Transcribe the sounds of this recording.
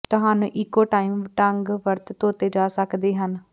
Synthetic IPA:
t̪ʊɦaːnṵ̃ːʔɪkːoːʈaːimʈəŋɡʋəɾt̪t̪oːt̪eːd͡ʒaːsəkd̪eːɦən

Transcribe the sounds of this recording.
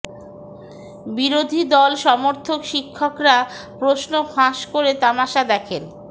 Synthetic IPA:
biɾod̪ʱid̪ɔlʃɔmoɾt̪ʰokʃikʰːokɾa | pɾosnofʰãʃkoɾet̪amaʃad̪ɛkʰen

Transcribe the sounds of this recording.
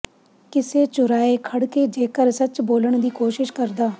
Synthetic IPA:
kɪseːt͡ʃʊɾaːeːkʰəɽkeːd͡ʒeːkəɾsət͡ʃboːləɳd̪iːkoːʃɪʃkəɾd̪aː

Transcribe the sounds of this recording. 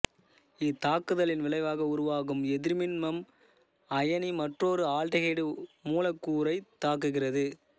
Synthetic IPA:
ɪt̪ːaːkɯðɐlɪnʋɪlɐɪʋaːɣɐʊɾʊʋaːɣɯmɛðɪɾmɪnmɐm | ɐjɐnimɐʈroːɾɯaːlʈɐɣeːɽɯmuːlɐkːuːɾɐɪt̪ːaːkɯɣɪrɐðɯ

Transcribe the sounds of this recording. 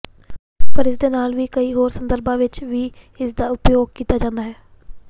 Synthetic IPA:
pəɾɪsd̪eːnaːlʋiːkəiːɦoːɾsənd̪əɾbãːʋɪt͡ʃʋiː | ɪsd̪aːʊpjoːɡ̚kiːt̪aːd͡ʒãːnd̪aːɦɛː

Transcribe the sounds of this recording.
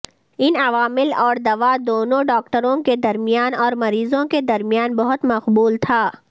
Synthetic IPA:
ɪnɐʋaːmɪlɔːɾd̪ɐʋad̪oːnõɖɔːkʈəɾõked̪ɐɾmijaːnɔːɾmɐɾiːzõked̪ɐɾmijaːnbɐɦʊt̪mɐqbuːlt̪ʰaː

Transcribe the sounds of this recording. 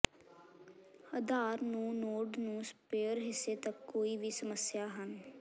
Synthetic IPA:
əd̪aːɾnũːnoːɖnũːspeːəɾɦɪsːeːt̪əkːoːiːʋiːsəməsjaːɦən

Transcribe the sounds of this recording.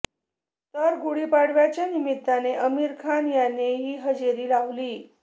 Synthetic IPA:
t̪əɾɡuɽiːpaɽʋjat͡ɕjanimit̪ːaneʔəmiːɾkʰanjanːeɦiːɦəd͡ʑeɾiːlaʋliː

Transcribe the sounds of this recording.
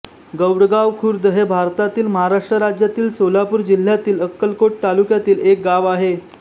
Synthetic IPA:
ɡəwɽɡaʋkʰuɾd̪əɦebʱaɾt̪at̪iːlməɦaɾaʂʈɾəɾad͡ʑjat̪iːlsolapuːɾd͡ʑil̤ːjat̪iːləkːəlkoʈ̚t̪alukjat̪iːlek̚ɡaʋaɦe

